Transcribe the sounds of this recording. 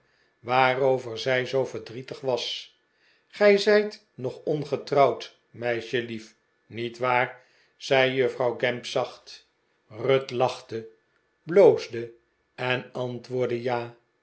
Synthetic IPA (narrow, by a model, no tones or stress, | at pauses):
ʋaːrowvəɹzɛjzowvəɹdritəχʋɑs | χɛjzɛjt | nɔχɔnχətrɑwt | mɛjʃəlif | nitʋaːr | z̥ɛjjøfrɑwɡɛmpsɑχt | rɵtlɑχtə | blowzdə | ɛnɑntʋʊːɹdəjaː